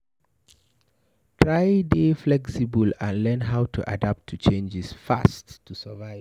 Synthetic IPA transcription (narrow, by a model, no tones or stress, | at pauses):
tʰɹajdeflɛksibələ̃nlɜ̃˞nɦaʊtʰuʔa̰dap̚tʰːut͡ʃʰẽnd͡ʒɪsfa̰stʰːusəvaɪv